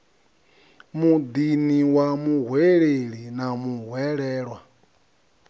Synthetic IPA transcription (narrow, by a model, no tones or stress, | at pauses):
mud̪iniwamuɦwɛɺeɺinamuɦwɛɺɛːɺwa